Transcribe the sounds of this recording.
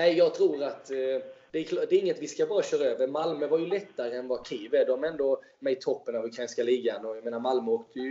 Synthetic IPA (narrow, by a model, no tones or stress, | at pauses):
nɛɪjɑːɡ̚t̪ʰɾuːɾat̪d̪̥ɛækʰlːd̪ɛːɾɪŋːət̪vɪskabɑːɾaɕœːɾaøːvəɾmalmœvaɾjɵlɛt̪ːaɾəɛnvakʰeːvəd̪ɔmɛnd̪ɔ | mɛjt̪ʰɔpːənavɵkʰɾajnskaliːɡanɔjɛmeːnaɾmalmœoːk̚t̪ʰəjɵ